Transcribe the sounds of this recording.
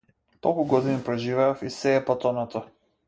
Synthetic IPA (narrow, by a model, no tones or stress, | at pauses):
t̪ɔlˠkuɡɔd̪inipɾɛʒivɛɔfisɛːpat̪ɔnɔt̪ɔ